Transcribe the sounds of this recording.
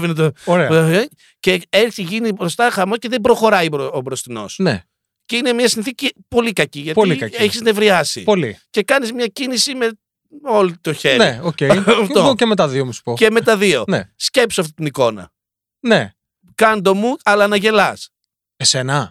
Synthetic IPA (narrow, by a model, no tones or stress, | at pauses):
vinɐt̪ooɾeɐ | ceeɾθiʝinibɾo̞st̪ɐxɐmosceðebɾo̞xo̞ɾɐjiobɾo̞st̪ino̞̰snḛ | ceinemiɐsinθicipo̞likɐciʝɐt̪olikɐeçizne̞vɾiɐsḭpolḭce̞kɐnizmɲɐcinisime̞ | o̞lit̪oçeɾieocejɐft̪ocemet̪ɐðiomusu̥poceme̞t̪ɐðio̞nḛsce̞psoɐft̪i̥t̪iniko̞nɐ̰ | ne | kɐnd̪o̞muɐlɐːnɐʝe̞lɐs | esenɐ